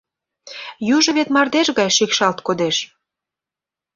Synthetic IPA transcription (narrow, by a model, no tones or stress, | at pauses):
juʒə̆βet̪mɑrd̪eʃɣɑjʃikʃɑlt̪kod̪eʃ